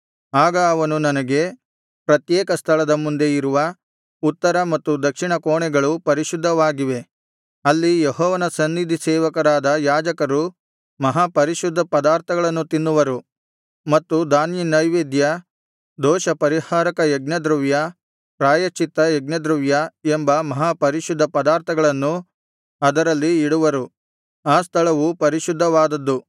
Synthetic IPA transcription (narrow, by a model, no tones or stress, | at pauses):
aːɡɐːʋɐnunɐnɐɡe̞ | pɾɐt̪jɛːkɐst̪ʰɐɭɐd̪ɐmund̪e̞iɾuʋɐ | ut̪ːɐɾɐmɐt̪ːud̪ɐkʂiɳɐkoːɳɛɡɐɭupɐɾiʃud̪ʱːɐʋaːɡiʋe̞ | ɐlːijeɦɔːʋɐnɐsɐnːid̪ʱisɛːʋɐkɐɾaːd̪ɐjaːd͡ʒɐkɐɾu | mɐɦaːpɐɾiʃud̪ʱːɐpɐd̪aːɾt̪ʰɐɡɐɭɐnːut̪inːuʋɐɾu | mɐt̪ːud̪aːnjinɐjʋeːd̪jɐ | d̪ɔːʃɐpɐɾihaːɾɐkɐjeɡnɐd̪ɾuʋjɐ | pɾaːjɐt͡ʃːit̪ːɐjɛɡ̚nɐd̪ɾuʋjɐembɐmɐɦaːpɐɾiʃud̪ʱːɐpɐd̪aːɾt̪ʰɐɡɐɭɐnːu | ɐd̪ɐɾɐlːiːɽuʋɐɾu | aːst̪ʰɐɭɐʋupɐɾiʃud̪ʱːɐʋaːd̪ɐd̪ːu